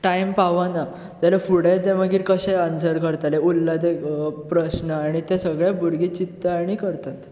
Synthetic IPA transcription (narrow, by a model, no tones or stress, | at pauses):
ʈaimpaʋana | t̪alafuɽet̪ẽməɡiːɾkəɕẽansəɾkəɾt̪aleulːad̪epɾəɕnəaɽ̃it̪esəɡɭabuɾɡiːt͡ɕit̪ːəaɽ̃ikəɾt̪at̪